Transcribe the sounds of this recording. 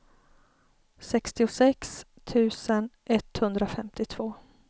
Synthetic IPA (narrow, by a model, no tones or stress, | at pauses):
sɛkst̪ɪʊsɛks | t̪ʰʉ̟ːsənʔɛt̪hɵnd̪ɾafɛmt̪ɪt̪ʰv̥oː